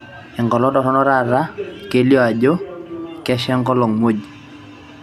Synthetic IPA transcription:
ɛ˨ŋɡɔ˨lɔ˦dɔ˨ɾɔ˦nɔ˦ɾa˦˨ɾa˦ke˦ljɔ˦a˨d͡ʒo˦kɛ˦ʃɛ˦ŋɡɔ˦lɔ˨ŋmo˦˨d͡ʒ

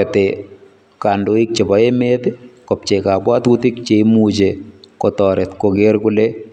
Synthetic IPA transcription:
et̪e | ka˨ndo˨i˦k̚t͡ʃe˨bɔ˨˦e˦me˦t̪kɔ˨p̚t͡ʃe˨ka˨bwa˦t̪ut̪ɪ˦k̚t͡ʃemud͡ʒekɔtɔɾʔɛt̪ko˨ɡe˦ɾkʊle

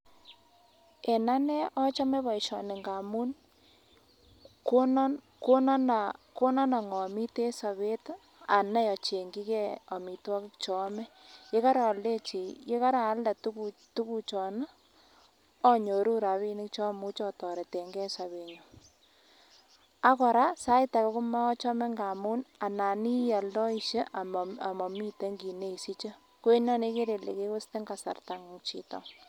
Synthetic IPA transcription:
e˨na˦nɛ˦ʔɔ˦t͡ʃa˦me˦βa˨i˨ʃɔ̰˨nɪ˨ŋɡa˨mu˦n | ko˦n | ko˦na˦na˨ko˦nɔ˦na˨ŋɔ˨mi˦te˦sa˨βe˦t | a˨na˦jɔ˨t͡ʃe˨ŋɡi˦kɛ˦ɔ˨mi˨twɔ˦kɪ˦kt͡ʃɔ˨˦mɛ˦ke˦ka˦ɾaː˨lde˦t͡ʃi˨ke˦ka˦ɾa˨˦lda˨tu˦kutu˦ku˦t͡ʃɔ˨na˦ | ɔ˦ɲo˨ɾu˦ɾa˨βi˦nɪ˦k̚t͡ʃɔ˦mu˦t͡ʃɔ˦tɔ˨ɾe˨te˨ŋɡɛ˦sa˨βe˨ɲo | a˦kɔ˨ɾa˦sa˦ɪ˦ta˨kkʊ˦ma˦ɔ˦t͡ʃɔ˦mɛ˦ŋɡa˨mu˦na˨na˨ni˦ja˨ldɔ˦i˦ʃe˦ʔama˨mɔ˨mi˦te˦ŋɡi˨ne˦i˨si˦t͡ʃə˦ | ko˦e˦nɔ˦ne˦ke˦ɾe˨le˨ke˦kʊ˦ste˦ŋɡa˨sa̰˨rta˨ŋt͡ʃḭ˨tɔ̰˨

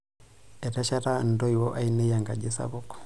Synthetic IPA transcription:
ɛ˨ɾɛ˦ʃa˦ɾa˦n̩˨dɔ˦iwɔ˦ʔa˦inɛ˦jaŋɡa˨d͡ʒe˦sa̰βukɔ̥

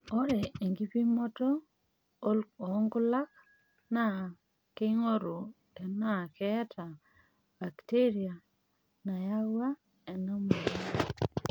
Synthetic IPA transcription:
o˦ɾe˨e˨ŋɡi˦pi˦mɔ˦to˦ | lo˨˦ŋɡʊ˦la˦k̚ | na˦˨ | ke˦ŋo˦ɾo˨ | e˨na˦˨kɛ˦tʰa˨ | ba˨kte˦ɾi˨a˨ | na˨ja˦wa˦ | ɛ˨no˦mo˨ɾi˨

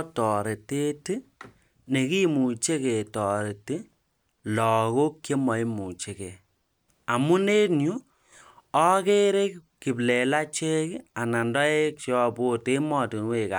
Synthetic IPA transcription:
tɔ˨ɾe˨te˦tɨ˦ | ne˨ki˦mu˨t͡ʃe˦ke˨tɔ˨ɾe˨ti˦ | lɔ˨ko˦kːe˦mɔ˨i˦mu˨t͡ʃe˨ke˨ | a˨mu˦ne˦nju˦ | ɔ˦ke˦ɾe˦kki˨ble˨la˦t͡ʃe˦ka˨na˨ndɔ˦e˦k̚t͡ʃɔ˦bo˦te˦mɔ˦˨ti˨n˦we˨ka̰˨

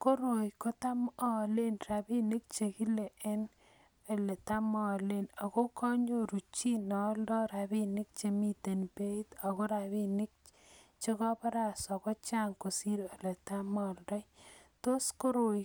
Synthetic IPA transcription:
ko˦ɾo˨jko˦ta˦mɔ˦˨le˦nɾa˨bi˦nɪ˦k̚t͡ʃe˨ki˦le˨ʔe˦n | e˨le˨ta˦mɔ˨le˦na˨ko˦kʰɔ˦ɲo˦ɾu˨t͡ʃi˦nɔ˨ldɔ˦ɾa˨bi˦nɪ˦k̚t͡ʃe˨mi˦te˨npe˦i˦t̪a˨ko˦ɾa˨βi˦nɪ˦k̚ | t͡ʃe˦kɔ˦pa˦ɾa˦sɔ˨kɔ˦t͡ʃa˦ŋko˨si˦ɾe˨le˨ta˦mɔ˦ldɔ˦jto˦sko˦ɾo˨j

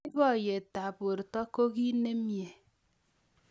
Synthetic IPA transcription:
bɔ˦˨je˨ta˨bo˨ɾtɔ˦ko˦ki˦ne˦mje˨

